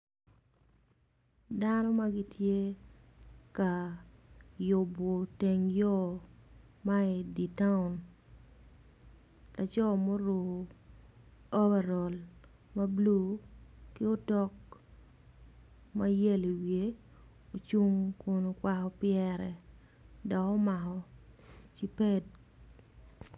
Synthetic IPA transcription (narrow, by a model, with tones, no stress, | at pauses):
da˦nɔ˦ma˦ɡi˦tje˦ | ka˨ | jo˨bo˨te˨ŋjɔ˦ | ma˦i˨di˨ta˦ʊ˨n | la˨t͡ʃɔ˦˨mo˦ɾo˨ | ɔ˦bɛ˨ɾɔ˨l | ma˦blu˦˨kɪ˦o˦tɔ˦k̚ | ma˦je˦li˨wje˨˦ | o˨t͡ʃu˦ŋkʊ˨no˨kwa˨kɔ˨pɪɛ˨ɾɛ̰˨ | dɔ˨kɔ˦ma˨kɔ˨ | t͡ʃi˦pe˦d